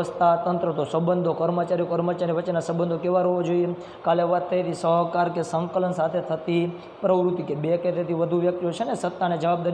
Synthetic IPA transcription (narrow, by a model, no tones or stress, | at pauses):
əst̪ʰat̪ənt̪ɾət̪osəbənd̪ʱokəɾmət͡ʃaɾijokəɾmət͡ʃaɾeʋət͡ʃːenasəbənd̪ʱokeʋaɾoʋod͡ʒoie | kaleʋat̪ːeit̪ʰisəɦkaɾkesə̃ŋkələnsat̪ʰet̪ʰət̪i | pɾəʋɾut̪ikebeket̪et̪ʰiʋəd̪ʱuʋjək̚t̪iot͡ʃʰenesət̪ːaned͡ʒəʋab̚d̪aɾi